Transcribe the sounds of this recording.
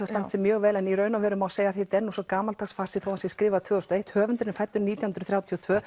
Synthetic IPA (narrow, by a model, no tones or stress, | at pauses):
ast̪ansɛmjœːɣvɛːlɛniɾœːɥnavɛːɾʏmawseːjaθit̪ɛnːusɔkaːmalt̪aksfar̥sɪθowasjɛskɾɪːvat̪ʰv̥ɛːʏst̪ɔejht̪hœːvʏnt̪ɾnfajt̪ːʏɾniːt̪jahnɾʏ̥θɾjawt̪ʰiɔt̪ʰvœː